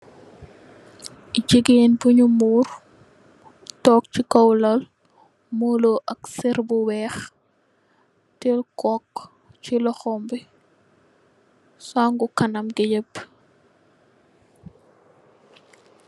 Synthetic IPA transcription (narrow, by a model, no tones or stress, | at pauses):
ɟiɡenbuɲumuːr | tɔːk̚t͡ʃikɐwlɐl | muloʔɐksɛɾbuwɛːx | tɛlkɔk | t͡ʃilɔxɔmbi | saŋɡukɐnɐmɡɛɟəp